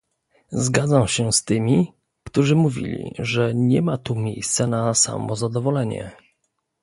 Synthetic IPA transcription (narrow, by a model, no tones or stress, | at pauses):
zɡad̪zawɕɛst̪ɘmʲi | kt̪uʐɘmuvʲḭlʲḭʐɛɲɛmat̪umʲjejst̪sanasa̰mɔzad̪ɔvɔlɛɲɛ̰